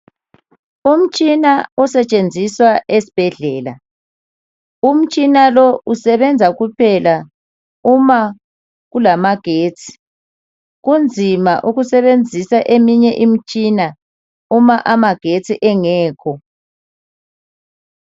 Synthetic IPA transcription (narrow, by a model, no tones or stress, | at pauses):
um̩t͡ʃʼinaɔsɛt͡ʃʼend͡zʱiswaʔesi̥b̥ʱɛɮɛːla̰ | um̩t͡ʃʼinalɔusɛβɛnd͡zʱaɣupʰɛla | uma | ɣulamaɡ̥ʱeːt͡sʰʼi̥ | ɣund͡zʱima̰ʔuɣusɛβend͡zʱisaʔemiɲɛʔim̩t͡ʃʼina | umaʔamaɡ̥ʱet͡sʰʼiʔɛŋɛːkʰɔ